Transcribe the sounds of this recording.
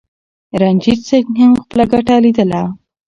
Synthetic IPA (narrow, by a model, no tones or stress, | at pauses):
ɾand͡ʒisekɦamxpəlaɡaʈalid̪əla